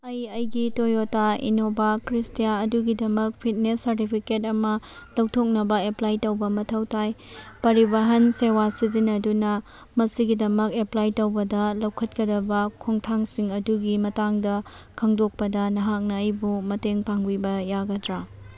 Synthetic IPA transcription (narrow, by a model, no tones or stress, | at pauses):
ɐjɐjɡitojotaḭnobakɾistijaɐduɡidɐmɐk̚pʰit̚nesːɐɾtipʰiketɐmɐlɐwtʰok̚nɐbɐeplajtowbɐmɐtʰɐwtʰajpɐɾibɐɦɐnsewasizinɐdunɐ | mɐsiɡidɐmɐkeplajtowbɐdɐlɐwkʰɐt̚kɐdɐbɐkʰoŋtʰaŋsiŋɐduɡimɐtaŋdɐ | kʰɐŋdok̚pɐdɐnɐɦak̚nɐːjbumɐteŋpaŋbibɐjaɡɐdɾa